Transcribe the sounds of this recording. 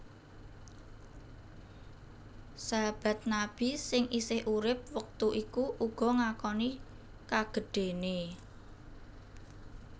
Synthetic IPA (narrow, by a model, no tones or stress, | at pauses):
sab̥a̤t̪̚nab̥i̤sɪŋʔisɪhʔuɾɪp̚wək̚t̪uʔikuʔuɡ̥ɔ̤ŋakɔni | kaɡ̥ə̤ɖ̥e̤ne